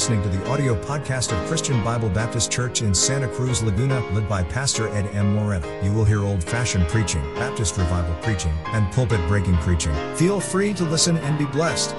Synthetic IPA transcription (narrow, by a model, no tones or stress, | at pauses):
snɪ̃ŋtɨðiʔɑɾioʊpʰɑd̚kʰæstʌv̥kʰɹ̥ɪst͡ʃɨ̃nbaɪbl̩ˠbæp̚tɨst͡ʃʰɜ˞t͡ʃɨ̃nsæ̃ɾ̃ɨkʰɹ̥ʉzləɡʉñɨlɛd̚baɪpʰæstə˞ʔɛɾɛ̃mwə˞ɛno̰jɨwɪlˠɦiɹoʊlˠd̥fæʃɨ̃npʰɹ̥it͡ʃɪ̰̃ŋb̥æp̚tɨst̚ɹɨvaɪvl̩ˠpʰɹ̥it͡ʃɪ̃ŋɨ̃npʰʌlˠpɨt̚b̥ɹeɪkɪ̃ŋpʰɹ̥it͡ʃɪ̃ŋfilˠfɹiɾəlɪsɨ̃nɨ̃nbiblɛst